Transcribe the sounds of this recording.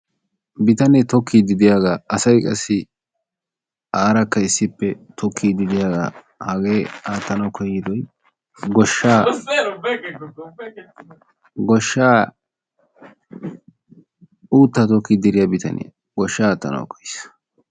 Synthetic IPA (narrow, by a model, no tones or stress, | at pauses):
bɪt̪ɐnɛt̪ɔkʰːiːd̪ɪd̪ɪjaːɡaɐsɐjkʼɐsːɪ | aːɾɐkːɐɪsːɪpːɛt̪ʰɔkʰːiːd̪ɪd̪ɪjaːɡa̰ | hɐɡeːaːt̪ːɐnɐwkʰɔjːɪd̪ɔj | ɡɔʃːaː | ɡɔʃːaː | uːt̪ːɐt̪ɔkːid̪ɪɾɪjabɪt̪ʰɐ̰nɪ̰ | ɡɔʃːaːt̪ːɐ̰nɐ̰wkɔ̥js